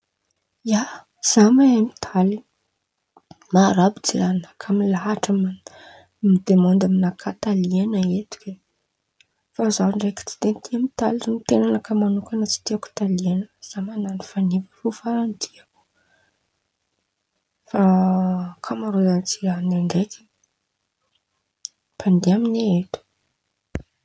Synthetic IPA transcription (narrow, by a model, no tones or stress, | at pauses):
ja | z̥amamit̪ʰali | maɾabid͡zianakʰamilaɦaʈ͡ʂam | mid̪emond̪aminakʰat̪alianaet̪u̥kʲe | fazaɳɖ͡ʐejki̥t͡si̥d̪ent̪ʰiamit̪alinit̪enanakamanukʲanat͡si̥t̪iaku̥t̪alianəz̥amananifanivirufaɾant̪ʰiaku̥ | fa | kʰamaɾuzant͡sianaŋɡajk̪i | pand̪eamineet̪u̥